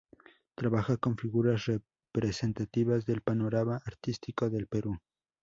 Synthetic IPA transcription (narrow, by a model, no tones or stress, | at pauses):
t̪ɾaβaxako̞ɱfiɣuɾasre | pɾese̞nt̪at̪iβazðe̞lpano̞ɾamaʔːɾt̪ist̪iko̞ðe̞lpe̞ɾu